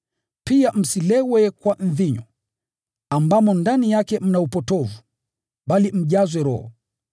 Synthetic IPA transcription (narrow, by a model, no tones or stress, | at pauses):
piam̩silɛwɛkwan̩ðiɲɔ | ambamɔndanijakɛm̩naupɔtɔvu | ɓalim̩ʄazwɛɾɔ̰hɔ̰